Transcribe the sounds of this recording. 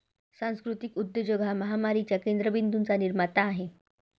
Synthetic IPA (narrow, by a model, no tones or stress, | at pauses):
sãskɾut̪ikud̪jəd͡ʑoɡʱaməɦamaɾit͡ɕjakend̪ɾəbind̪unt͡saniɾmat̪aːɦe